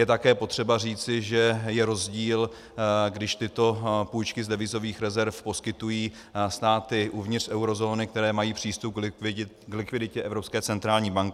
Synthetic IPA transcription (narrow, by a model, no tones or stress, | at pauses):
jɛt̪akɛːpo̞t̪r̥ɛbar̝iːt͡sɪʒɛjɛɾo̞zɟiːl | ɡdɪʃt̪ɪt̪o̞puːjt͡ʃkɪzdɛvɪzo̞viːxɾɛzɛɾfposkɪt̪ujiː | st̪aːt̪ɪʔuvɲɪt̪rʔɛwɾo̞zo̞ːnɪk̚t̪ɛɾɛːmajiːpr̝̥iːst̪up̚ɡɪ | klɪkvɪdɪcɛʔɛvɾopskɛːt͡sɛnt̪ɾaːlɲiːbaŋkɪ